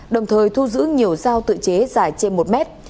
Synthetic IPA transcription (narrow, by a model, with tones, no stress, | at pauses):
ɗə˨˩wŋ͡mt̪ʰəː˨˩jt̪ʰu˧zɨ̰˧˥ɲi˨˩əwzaː˧wt̪ɨ̰˧˨t͡ɕe˨˦zaː˧˩jt͡ɕe˧nmo˨˩t̚mɛ˦˥t̚